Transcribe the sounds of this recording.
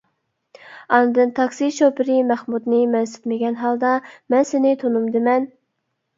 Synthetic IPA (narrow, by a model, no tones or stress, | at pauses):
ɑnɨd̪ɨnt̪ʰɑksiʃopɪɾɪmæχmud̪nɪmɛnsɪ̥t̪mɪɡʲɛnɦɑlˠd̪ɑmɛnsɪnɪt̪ʰonumd̪ɨmɛn